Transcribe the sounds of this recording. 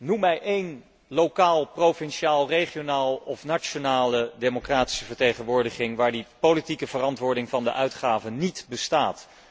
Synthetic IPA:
numɛjʔejn | lowkaːlˠprowfɛnʃiaːlˠreχijonaːlˠɔfnat͡ʃonaːlədemokraːti̥səvəɹtejχənʋʊːɹdəχɪŋʋaːɹdipolitikəvərɑntʋʊːɹdɪŋvɑndəʔœɥtχaːvənitbəstaːt

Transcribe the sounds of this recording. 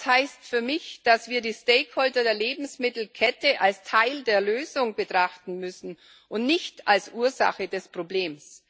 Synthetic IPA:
shaɪstfyːɐmɪçd̥asv̥iːɐdiːsteɪkholtɐdeːɐleːbm̩smɪtl̩kʰɛtəʔalstʰaɪldeːɐløːzʊŋbətʁ̥aχtn̩mʏsn̩ | ʔʊntnɪçtalsʔuːɐza̰χədɛspʁ̥obleːms

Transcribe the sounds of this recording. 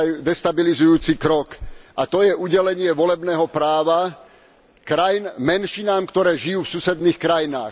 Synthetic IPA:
jd̪ɛst̪abilizujuːt͡sikɾɔkat̪ɔjɛʔuɟɛlɛɲɪɛʋɔlɛbnɛːɦɔpɾaːʋa | kɾajinmɛnʃinaːmkt̪ɔɾɛːʒijuːfsusɛd̪niːxkɾajina̰ːx

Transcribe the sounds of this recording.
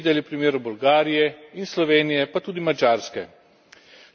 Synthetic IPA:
d̪ɛlipɾimeːɾubɔlɡaːɾijɛinslɔʋeːnijɛpat̪uːd̪imad͡ʒaːɾskɛ

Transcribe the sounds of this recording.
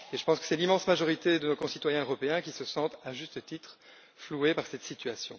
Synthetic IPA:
eʒəpɑ̃skə̥sɛlimɑ̃smaʒɔʁit̪ed̪ənokɔ̃sit̪wajɛ̃øʁɔpeɛ̃kʲisəsɑ̃t̪aʒyst̪ət̪it̪χ | fluepaʁsɛt̪sit̪yasjɔ̰̃

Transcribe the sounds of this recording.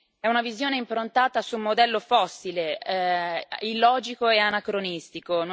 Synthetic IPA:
ɛunavizjoːneimpɾont̪aːt̪asumːod̪ɛlːofɔsːile | ilːɔːd͡ʒikoeanakɾonist̪ikon

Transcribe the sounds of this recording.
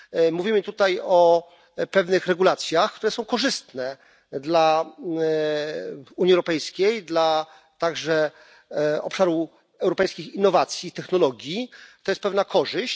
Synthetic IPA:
muvʲimɘt̪ut̪ajɔ | pɛvnɘxɾɛɡulat̪sʲjaxk̚t̪uɾɛsɔ̃w̃kɔʐɘst̪nɛ | d̪la | uɲjiɛwɾɔpɛjskʲejd̪la | t̪aɡʐɛ | ɔ̰pʂaɾuf | ɛwɾɔpɛjskʲixinːɔvat̪sʲjit̪ɛxnɔlɔɡʲjit̪ɔjɛst̪pɛvnakʰɔʐɘɕt͡ɕ

